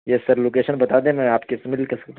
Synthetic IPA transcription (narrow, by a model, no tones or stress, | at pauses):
jesɐɾloːkeːʃənbɐt̪aːd̪ẽmɛ̃aːpkesmɪlkɐɾsɐ̥kt̪